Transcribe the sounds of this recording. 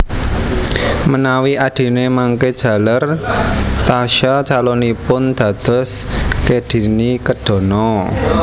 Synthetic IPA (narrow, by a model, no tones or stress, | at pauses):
mənawiaɖ̥i̤nemaŋked̥ʒ̥ä̤lar | t̪aʃat͡ʃalɔnipʊnd̪̥ä̤d̪̥ɔ̤skeɖ̥i̤nikəd̥ɔ̤nɔ